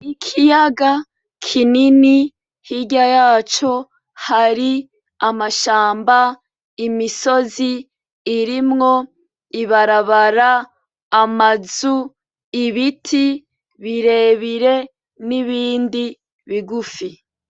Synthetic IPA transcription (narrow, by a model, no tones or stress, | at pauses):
ikʰijaɡa | kʰinini | hiɟajaːt͡ʃo̞ | haɾi | amaʃaːmba | imiso̞ziː | ɾimŋo̞ | iβaɾaβaɾaː | mazu | iβitʰi | βiɾe̞ːβiɾe̞ | niβiːndi | βiɡufi